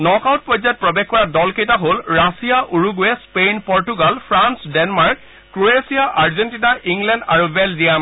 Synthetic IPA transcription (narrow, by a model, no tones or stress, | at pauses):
nɔkawt̚pɔjzat̚pɹɔbexkɔɹadɔlkejtaɦolɹasijaʔuɹuɡuɛspenpɔɹtuɡalpʰɹansdɛnmaɹk̚ | kɹoesijaʔaɹzɛntinaʔiŋɡlɛndaɹubɛlziam